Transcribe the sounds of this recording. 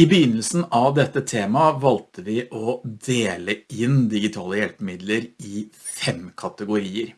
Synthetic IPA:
ɪbəjʏnːəlsn̩ʔɑʋd̪ɛt̪ːət̪ʰeːmɑʋɑlt̪ʰəʋɪʔɔd̪eːləɪnd̪ɪɡɪt̪ʰɑːləjɛlpəmɪd̪ləɾɪfɛmkʰɑt̪əɡʊɾiːəɾ

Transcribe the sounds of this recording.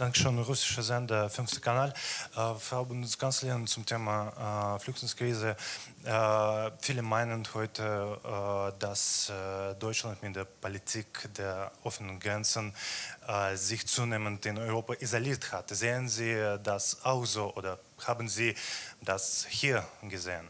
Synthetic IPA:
d̥aŋkə̥ʃøːnʁʊsɪʃəzɛndɐfʏnftə̥kʰanaːlʔəfʁabʊnskanslɪənt͡sʊmtʰeːmaflʊxtlɪŋskʁ̥iːzə | fiːləmaɪnənhɔʏtʰə | das | dɔʏt͡ʃlantmɪt̚d̥eːɐpolitʰikd̥eːɐʔɔfənənɡʁɛnt͡sən | zɪçt͡suːneːməntɪnɔʏʁoːpaʔizoliːɐthatzeːənziːdasaʊxz̥oːʔoːdɐ | haːbn̩ziːd̥ashiːɐɡəzeːən

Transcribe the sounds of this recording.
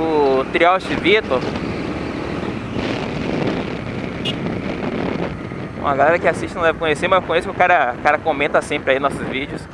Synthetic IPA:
ʊt̪ɾiɔwʃɪvit̪o | ɐɡalɛɾɐkɪasiʃt͡ʃɪnɐ̃d̪ɛvɪkõɲesemɐzewkõɲesʊkɪʊkaɾɐkaɾɐkõmẽt̪ɐsẽpɾɪainɔsʊzvid͡ʒɪʊs

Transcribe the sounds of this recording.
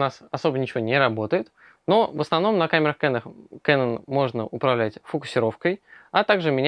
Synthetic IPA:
nasɐso̞bənʲɪt͡ɕɪvʲo̞nʲɪɾɐbo̞t̪əjɪt̪ | no̞vəsnɐvn̪o̞mnɐkamʲɪɾəxkɛnəxkɛnənmo̞ʐnəʔʊpɾɐvlʲætʲfəkʊ̥sʲɪɾo̞fkəjɐt̪aɡʐɨmʲɪnʲ

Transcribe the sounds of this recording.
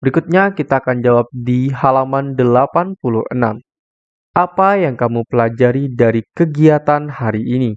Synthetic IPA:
bəɾikut̪̚ɲakit̪aːkand͡ʒawap̚diɦalamandəlapanpuluhʔəna̰m | ʔapajaŋkamupəlad͡ʒaɾidaɾikəɡiat̪anhaɾiːni

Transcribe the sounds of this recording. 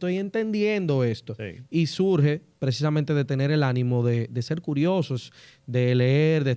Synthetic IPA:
t̪o̞je̞nt̪e̞nd̪je̞nd̪o̞e̞st̪o̞ḭisuɾɦe̞pɾes̬is̬amẽnt̪e̞ðe̞t̪e̞ne̞ɾe̞lanĩmo̞ðe̞d̪e̞se̞ɾkuɾjo̞sosd̪e̞le̞eɾðe

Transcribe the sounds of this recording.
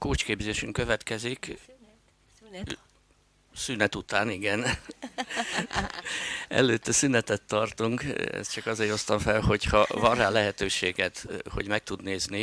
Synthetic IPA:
koːt͡ʃkeːbzeːʃyŋkøvɛt̪kɛzik | synɛt̪ut̪aːniɡɛn | ɛ̰løːt̪ːɛsynɛt̪ɛt̪ːɒrt̪uŋkɛ̰st̪t͡ʃɒkɒzeːɾo̞st̪ɒɱfɛlho̞chɒvɒrːaːlɛɦɛt̪øːʃeːɡɛt̪ho̞̰ɟmɛk̚t̪ud̪neːzni

